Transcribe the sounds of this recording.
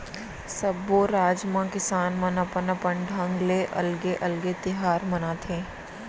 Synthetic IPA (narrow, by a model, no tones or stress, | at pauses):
səbːoːɾaːd͡ʒmãkɪsaːnmɐnɐpənəpəɳɖɐ̃ŋɡleʔɐ̰lɡeʔɐlɡet̪ɪɦaːɾmɐnaːt̪ʰẽː